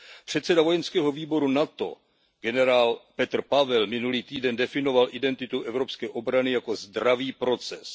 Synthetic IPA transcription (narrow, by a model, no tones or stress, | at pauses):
pr̝̥ɛt̪sɛdavo̞jɛnskɛːɦo̞viːbo̞ɾunat̪o̞̰ | ɡ̥ɛnɛɾaːlpɛt̪r̩pavɛlmɪnuliːt̪iːdɛndɛfɪno̞valʔɪdɛnt̪ɪt̪uʔɛvɾo̞pskɛːʔo̞bɾanɪjako̞zd̪ɾaviːpɾo̞t͡sɛs